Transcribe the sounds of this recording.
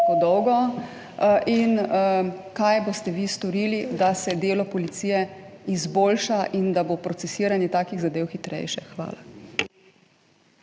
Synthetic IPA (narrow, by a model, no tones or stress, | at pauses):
kod̪ɔwɡɔ | ʔin | kajbost̪ɛʋist̪ɔɾiːlid̪asɛd̪eːlɔpɔlit̪siːjɛizboːlʃaʔind̪abopɾɔt̪sɛsiːɾanjɛt̪aːkiɣzad̪eːwxit̪ɾɛ̰jʃɛxʋa̰ːla